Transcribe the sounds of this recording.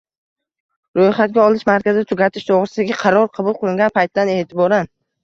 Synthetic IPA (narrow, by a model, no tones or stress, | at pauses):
ɾojχat̪̚ɡʲaɒlˠɪʃmaɾkʲazɪd̪at̪ʰʊɡʲat̪ʰɪʃd̪ʰoʁɾɪsɪd̪aɡʲaqʰɑɾɒɾqʰɑbʊlˠqʰɨlˠɪŋɡʲanpʰajt̪ːane̞ːt̪ʰɪbɒɾan